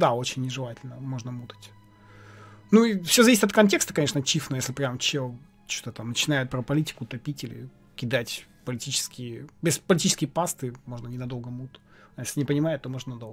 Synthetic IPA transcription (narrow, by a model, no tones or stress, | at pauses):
d̪ao̞t͡ɕɪnʲːɪʐɨlˠatʲɪlʲnəmo̞ʐnəmut̪ə̥tʲ | nuifsʲozɐvisɪt̪ɐt̪kɐnʲtʲe̞kst̪ə̥kɐnʲeʂnət͡ɕifnojesʲlʲɪpɾʲamt͡ɕo | t͡ɕot̪ət̪amnət͡ɕɪnajɪt̪̚pɾəpɐlʲitʲɪ̥kʊt̪ɐpʲitʲɪlʲɪ̰ | kʲɪd̪atʲ | pəlʲɪtʲit͡ɕɪ̥skʲɪjɪbʲɪspəlʲɪtʲit͡ɕɪ̥skʲɪjpast̪ɨmo̞ʐnənʲɪnɐd̪o̞lˠɡəmut̪ | ɐjesʲlʲɪnʲɪpənʲɪmaɪt̪ːo̞mo̞ʐnənɐd̪o̞lˠɡ